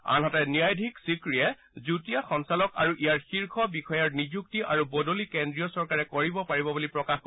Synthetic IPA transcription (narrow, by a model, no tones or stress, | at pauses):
a̰nɦɔtɛniajdʱiksikɹijɛ | zutijaxɔnsalɔka̰ɹuʔijaɹxiɹkʰɔbixɔjaɹnizuk̚tiʔaɹubɔdolikendɹijɔsɔɹkaɹɛkoɹibɔpaɹibɔbulipɹɔkax